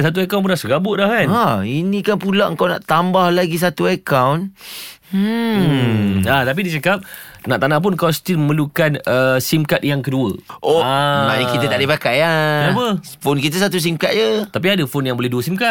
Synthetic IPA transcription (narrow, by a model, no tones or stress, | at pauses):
sat̪̬uɛkawnp̬unasəɡabʊʔlahkanainĩkanpulaʔəŋkawnã̰ʔt̪ambahlaɡis̬at̪uakawn̩ | at̪ap̬idit͡ʃəkap̚naʔt̪anahp̬ʊnkast̪iməlukanəsimkat̪̚jaŋkəduəʔoamanakit̪ət̪aʔdipakajaaməfonkit̪̬əs̬at̪̬us̬imkat̪̚jət̪ap̬iadəfonjaŋbolɛhduəsimkat̪̚